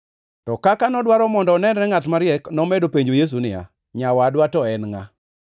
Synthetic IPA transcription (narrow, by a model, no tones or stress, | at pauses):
tɔkakanɔdwaɾɔmɔndɔːnɛndɾɛŋatmaɾjɛknɔmɛdopeɲd͡ʒojes̬unɪja̰ | ɲawadwatɔɛnŋa̰